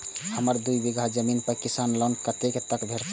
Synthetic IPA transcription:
həməɾd̪uibiɡʱad͡ʒəminpəɾkisaːnlənkət̪eket̪əkbʱeɾt͡ʃ

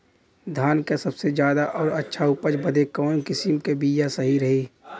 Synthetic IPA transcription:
d̪ʱaːnkesɐbsed͡ʒjaːd̪aʔɔːɾɐtːʃʰaʊpəd͡ʒbəd̪ʱekɔːkɪsimkebiːjasɐɦiɾɐɦiː

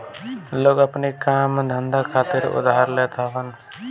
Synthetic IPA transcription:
loːɡəpnikaːmd̪ʱənd̪akʰaːt̪ɪɾʊ̰d̪aːɾleːt̪aɦən

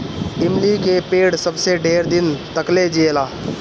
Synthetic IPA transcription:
ɪmlikepeːɽsəbseɖʱeːɾd̪ɪnt̪əkled͡ʒelaː

